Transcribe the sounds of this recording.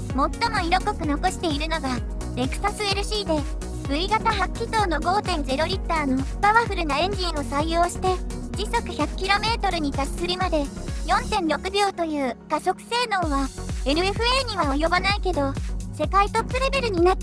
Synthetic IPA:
mo̞t̪ːo̞mo̞iɾo̞ko̞kɯ̟no̞ko̞ɕi̥t̪e̞iɾɯ̟no̞ɡa | ɾe̞kɯ̟̥sasɨe̞ɾɯ̟ɕiːd̪e̞ | bɯ̟iɡat̪aɦakʲːit̪o̞ːno̞ɡo̞ːt̪ẽ̞nd͡ze̞ɾo̞ɾʲit̪ːaːnopaβaɸɯ̟ɾɯ̟naẽ̞ɲ̟d͡ʑĩɰ̃o̞saijoːɕi̥t̪e̞d͡ʑiso̞kɯ̟çakɯ̥kʲiɾo̞me̞ːt̪o̞ɾɯ̟ɲ̟it̪asɨ̥sɨɾʲimad̪e̞jõ̞nt̪ẽ̞nɾo̞kɯ̟bʲo̞ːt̪o̞jɯ̟ːkaso̞kɯ̟̥se̞ːno̞ːβae̞ɾɯ̟e̞ɸɯ̟eɲ̟iβaojo̞banaike̞d̪o̞se̞kait̪o̞pːɯ̟ɾe̞be̞ɾɯ̟ɲ̟ina

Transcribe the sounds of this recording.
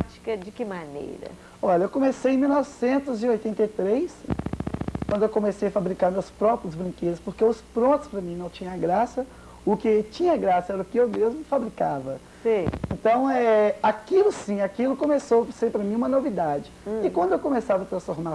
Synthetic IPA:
t͡ʃi̥kɐd͡ʒɪkɪmanḛjɾɐ̰ | ɔʎɐewkõmesejẽj̃miwnɔvɪsẽnt̪ʊzɪojt̪ẽnt̪ejt̪ɾejs | kwɐ̃nd̪ʊewkõmesejɐfabɾikaɾmewspɾɔpɾiɐzbɾĩŋked̪ɐspoɾkeʊspɾõnt̪ʊspɾɐmĩnɐ̃w̃t͡ʃĩɲɐ̃aɡɾasɐ | ʊkɪt͡ʃĩɲɐɡɾasɐɛɾɐʊkɪewmezmʊfabɾikavɐ | seẽnt̪ɐ̃w̃ɛɛakilʊsĩakilʊkõmesoseɾpɾɐmĩũmɐnovid̪ad͡ʒɪɪkwɐ̃nd̪ʊewkõmesavɐt̪ɾɐ̃sfoɾma

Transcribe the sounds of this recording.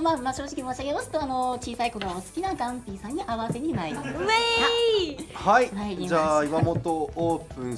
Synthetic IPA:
mamaɕo̞ːʑikʲimoːɕiaɡʲe̞masɨ̥t̪ːo̞ano̞t͡ɕiːsaiko̞ɡ̪oosɨ̥kʲinaɡãmpʲisãɲ̟ːiʔaβase̞ɲ̟inaɾimase | haiaid͡ʑaːimamot̪ooːpɯ̟̃ñ

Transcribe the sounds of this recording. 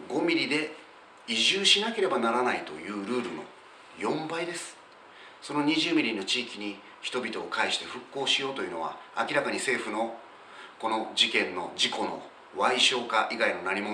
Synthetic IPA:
ɡo̞mʲiɾʲid̪e̞ | iʑɨːɕinake̞ɾe̞banaɾanait̪o̞jɯ̟ːɾɯ̟ːɾɯ̟no̞̰ | jõ̞mbaid̪e̞sɨ̥ | so̞no̞ɲ̟iʑɨːmʲiɾʲino̞t͡ɕiːkʲiɲ̟i | çi̥t̪o̞bʲit̪o̞ːkaiɕi̥t̪e̞ɸɯ̟kːo̞ːɕijo̞ːt̪o̞jɯ̟no̞βa̰a̰kʲiɾakaɲ̟ise̞ːɸɯ̟no̞ | ko̞no̞d͡ʑikẽ̞nːo̞̰d͡ʑiko̞no̞̰ | βaiɕo̞ːkaʔiɡaino̞naɾʲimo̞

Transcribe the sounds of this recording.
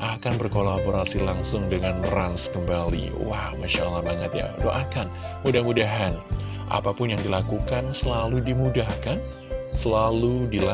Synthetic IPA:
ʔakanbərkolaboɾasilaŋsʊŋdəŋanranskəmbalḭwahmaʃalːahbaɲət̪ja̰to̰ʔakan | mudahmudaɦan | ʔa̰papʊnjaŋdilakukansəlaludimudahkan | səlaludila

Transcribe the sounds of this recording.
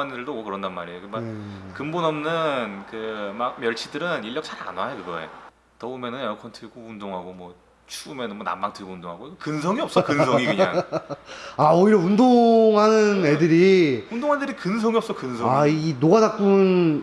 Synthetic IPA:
anidɯɭdomwʌkɯɾʌndanmaɾejokɯmakɯmbonʌmnɯnkɯmak̚mjʌɭt͡ɕʰidɯɾɯniɭːʌk̚t͡ɕʰaɾa̰nwajokɯɡʌḛ | tʌumenɯnʌɭkʰwʌntʰɯɭɡoundoŋɦaɡomwʌ | t͡ɕʰuːmenɯnmwʌna̰mːaŋtʰɯɭɡoundoŋɦaɡokɯnsʰʌŋiʌp̚s͈ʌkɯnsʰʌʌŋikɯɲa̰ŋ | aoiɾʌundoŋɦanɯne̞dɯɾiundoŋɦandɯɾikɯnsʰʌŋiʌp̚s͈ʌkɯnsʰʌainoɡadak͈unn

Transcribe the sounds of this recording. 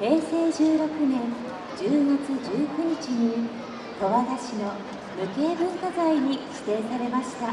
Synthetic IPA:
he̞ːse̞ːd͡ʑɨːɾo̞kɯ̟nẽ̞n | d͡ʑɨːŋat͡sɨd͡ʑɨːkɯ̟ɲ̟it͡ɕiɲ̟i | t̪o̞βad̪aɕino̞ | mɯ̟ke̞ːbɯ̟̃ŋkazaiɲ̟iɕi̥t̪e̞ːsaɾe̞maɕi̥t̪a

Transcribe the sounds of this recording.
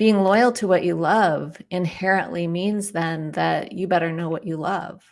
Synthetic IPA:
b̥iɪ̃ŋlɔɪl̩ˠtʰəwʌt͡ʃɨlʌvɪ̃nhɛɹɨ̃nʔlʔimĩnzðɨ̃nðɨt͡ʃɨbɛɾə˞noʊwʌt͡ʃɨlʌ̰v̥

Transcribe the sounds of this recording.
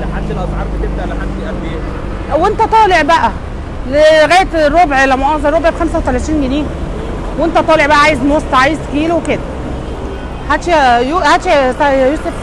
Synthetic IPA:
leħad̪ːelʔɑsˤʕɑːɾˤbet̪eb̚d̪aʔleħad̪d̪iʔælbeæ | went̪æt̪ˤɑːleʕbæʔæ | leɣæːjet̪rːobʕelæmoʕɑːzˤɑɾˤːobʕebxæmsæwt̪ælæt̪iːnɡeniːm | went̪æt̪ˤɑːleʕbæʔæʕaːjezmost̪ʕajezkiːloweked̪æ | ħæt̪ʃjuhæt̪ʃt̪æjuːsef

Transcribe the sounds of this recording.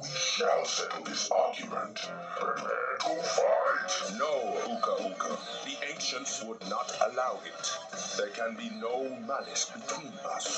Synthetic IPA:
wiʃalˠsɛtl̩ˠðɪsɑɹɡjumə̰̃nt | ɹɛmɛ̰ɾɪtʰɔfatnoʊukəʔukʰə̰ðiʔẽɪ̃nʃə̃ntswʊdⁿnətəlaʊɪt | ðɛ˞kʰæ̃nbinoʊmænɪsb̥ɨtʰw̥ĩnʌ̰s

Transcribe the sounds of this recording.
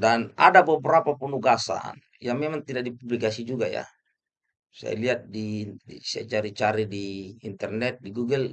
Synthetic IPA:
danadabəbəɾapapunuɡasa̰n | jaŋmɛmaŋt̪idaʔ̚dipublikasid͡ʒuɡaja̰ | sa̰ja̰liat̪̚disaja̰t͡ʃaɾit͡ʃaɾidiːnt̪ɛrnɛt̪̚diɡuɡɛl

